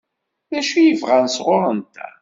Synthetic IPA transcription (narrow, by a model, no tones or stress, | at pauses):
ðæʃujəvʁænsʁʊɾˤənt̪ʰæ̰